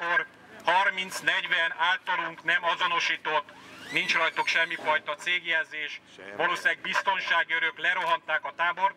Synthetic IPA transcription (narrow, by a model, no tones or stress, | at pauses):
kor | hɒrmint̪snɛɟʋɛnaːlt̪ːɒluŋknɛmɒzo̞no̞ʃiːt̪o̞t̪ːnint͡ʃrɒjt̪okʃɛmːifɒjt̪ɒt̪seːɡjɛlzeːʃ | ʋɒloːsiaɡ̚bist̪o̞nʃaːɡiøɾøklɛɾo̞ɦɒnt̪aːkɒt̪aːbo̞r